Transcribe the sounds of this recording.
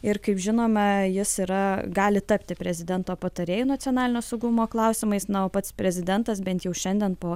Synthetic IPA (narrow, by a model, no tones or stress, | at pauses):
ɪɾkɐɪpʒʲɪnoːmɐjɪsiːɾɐɡɑːlʲɪt̪ɐpʲt̪ʲɪpʲɾʲɛzʲɪd̪ʲɛnt̪oːpɐt̪ɐɾʲeːjunɐtt͡s̪ʲjoːnɑːlʲɪnʲoːsɐʊɡʊmoːklˠɐʊsʲɪmɐɪsnɐoːpɐt̪spʲɾʲɛzʲɪd̪ʲɛnt̪ɐs̬bʲɛnt̪jɛʊʃʲɛnʲd̪ʲɛnpoː